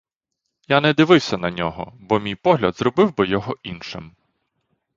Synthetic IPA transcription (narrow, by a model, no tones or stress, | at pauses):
janɛd̪ɪʋɪwsʲɐnɐnʲɔɦɔ̰bɔmʲijpɔɦlʲɐd̪zrɔbɪwbɪjɔɦɔʔinʃɪm